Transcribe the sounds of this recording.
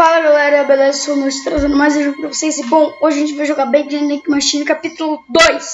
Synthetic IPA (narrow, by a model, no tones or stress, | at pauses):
falɐlelɛɾɐbelezɐsomostt̪ɾazẽnd̪ʊmajzẽʒũʊpɾɐvosejsɪbõw̃oʒɪɐʒẽt͡ʃɪvajʒoɡaɾbẽj̃d͡ʒẽd̪ẽj̃kɪmaʃĩnɪkapit̪ulʊd̪ojs